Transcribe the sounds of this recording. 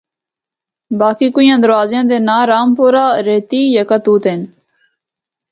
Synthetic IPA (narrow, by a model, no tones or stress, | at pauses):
baːkiːkʊjãːd̪əɾʋaːzjãːd̪eːnaːɾaːmpoːɾaːɾeːt̪iːjəkat̪uːt̪eːn